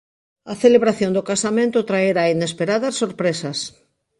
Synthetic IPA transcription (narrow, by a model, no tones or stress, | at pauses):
ɐθeleβɾaθjõnd̪okasamẽnt̪ʊt̪ɾaeɾainespeɾaðɐsːoɾpɾesɐs